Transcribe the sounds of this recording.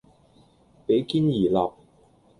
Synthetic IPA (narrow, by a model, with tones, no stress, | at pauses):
pe˨˥jkiː˥njiː˨˩laː˨p̚